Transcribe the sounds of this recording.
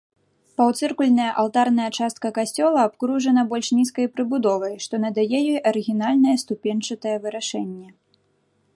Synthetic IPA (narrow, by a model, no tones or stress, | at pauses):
pawt̪sɨrkulʲnɐjɐʔalˠt̪arn̪ɐjɐt͡ʂast̪̚kɐkasʲt͡sʲɔlˠɐːpkɾuʐɐnɐbɔlʲʂnʲiskɐjpɾɨbud̪ɔvɐjʂt̪ɔnɐd̪ajɛjɛʔɐɾɨɣʲin̪alʲnɐjɛst̪upʲɛnt͡ʂɐt̪ɐjɛvɨɾaʂɛnʲːɛ